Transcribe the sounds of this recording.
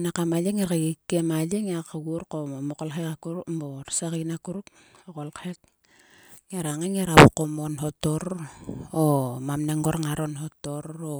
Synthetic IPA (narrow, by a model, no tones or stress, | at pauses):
nakamaleŋeɾkaɡikːemaleŋeakaɡuɾkomomokolɦekakuɾukmboɾsakinakuɾuk̚ | okolkhek̚ | ŋeɾaŋeŋeɾaβukomonɦotoɾ | omamneŋɡoɾaŋaɾonɦotoɾo